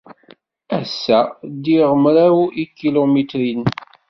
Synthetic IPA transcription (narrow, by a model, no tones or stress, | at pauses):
æsːæd̪iʁəmɾawikːilomit̪ɾin